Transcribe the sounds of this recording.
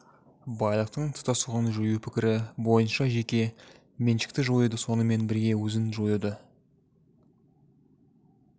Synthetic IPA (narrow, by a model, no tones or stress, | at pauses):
bɑjlˠəqt̪əɴt̪ʰə̥t̪ɑsuʁɑnəʒojupʰɪkʲɪɾɪbo̞jənʃɑʒe̞kʲe̞ | menʃɪ̥k̚t̪ɪʒo̞jud̪əso̞nəme̞nbɪɾɡʲe̞wɵzɪnʒojud̪ə